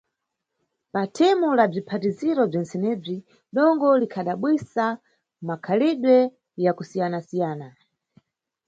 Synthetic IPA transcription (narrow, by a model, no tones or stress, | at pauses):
patʰɛmulab͡ʐipʰatiziɾɔb͡ʐɛnsɛnɛːb͡ʐi | ɗɔŋɡɔlikʰaɗaɓwisa | makʰaliɗwɛ | jakusijanasijaːna